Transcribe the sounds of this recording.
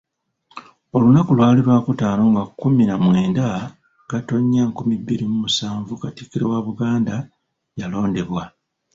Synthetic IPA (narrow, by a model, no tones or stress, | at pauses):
o̞lunakulwaːliɾwaːkutaːno̞ːŋɡakːuminamwe̞ːnda | ɡ̥ato̞ɲːaŋkumibːiɾimumusaːɱvukatikiɾewaβuɡaːnda | jalo̞ːnde̞βwa